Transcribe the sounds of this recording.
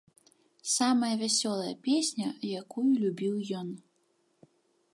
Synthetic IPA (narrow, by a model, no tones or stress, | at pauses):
samɐjɐvʲasʲɔlˠɐjɐ̰pʲesʲnʲɐjakujulʲubʲiwjɔn